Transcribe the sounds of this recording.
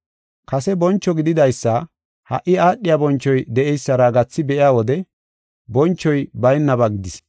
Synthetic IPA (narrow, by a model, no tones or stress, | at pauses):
kɐsɛbɔnt͡ʃːɔɡɪd̪ɪd̪ɐjsːɐ | hɐ̰ʔɪaːɗːɪjabɔnt͡ʃːɔjd̪ɛɛjsːɐɾaːɡɐt͡sːɪbɛʔɪjaːwɔd̪ɛ | bɔnt͡ʃːɔjbɐjnːɐbɐɡɪd̪ɪs